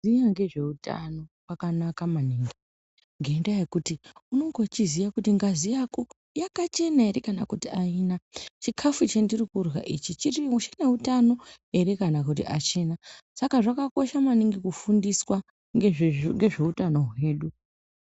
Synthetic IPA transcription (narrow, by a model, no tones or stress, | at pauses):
ijaŋɡe̞ʐe̞uta̰no̞wakanakamaniːŋɡi | ŋɡendaje̞kutiuno̞ŋɡo̞t͡ʃizijakutiŋɡazijako | jakat͡ʃe̞naeɾikana̰kutiaiːnat͡ʃikʰafut͡ʃendirikurwa̰ʔit͡ʃit͡ʃiriuʃene̞utano̞ | eɾekanakutiʔa̰t͡ʃe̞nasakaʐakako̞ʃamaniŋɡikufundiswa | eŋɡe̞ʐe̞utano̞ɦwe̞ːɗu